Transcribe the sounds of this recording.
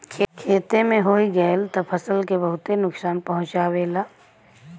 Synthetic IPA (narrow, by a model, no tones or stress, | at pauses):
kʰkʰeːt̪emẽɦoːiɡəlt̪ɐpʰɐsəlkebəɦʊt̪enʊksaːnpɐɦʊ̃t͡ʃaːweːlaː